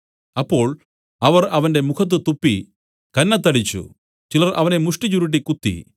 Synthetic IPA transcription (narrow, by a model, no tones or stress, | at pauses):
ɐpːo̞ːɭ | ɐʋɐrɐʋɐnde̞mukʰɐt̪̬ːɨt̪upːi | kɐnːɐt̪ːɐɽit͡ɕːṵ | t͡ɕilɐrʔɐʋɐne̞muʂʈit͡ɕuɾiʈ̬ːikut̪ːḭ